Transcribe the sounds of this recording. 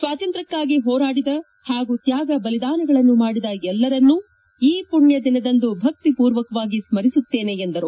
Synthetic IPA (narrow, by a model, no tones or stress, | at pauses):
sʋaːt̪ɐnt̪ɾɐkːaːɡiɦɔːɾaːɽid̪ɐ | haːɡut̪jaːɡɐbɐlid̪aːnɐɡɐɭɐnːumaːɽid̪ɐɛlːɐɾɐnːu | iːpuɳjɐd̪inɐd̪ɐnd̪ubʱɐk̚t̪ipuːɾʋɐkɐʋaːɡismɐɾisut̪ːe̞ːne̞ːnd̪ɐɾu